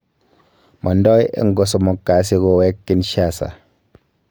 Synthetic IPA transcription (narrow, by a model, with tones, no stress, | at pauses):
mʔɔ˨n˦dɔ˦jḛ˦ŋ̩˦ɡo˨s̬o˨mo˨kːa˨˦s̬i˦ɡo˨wɛ˦kːi˦nʃa˦˨sa̰˨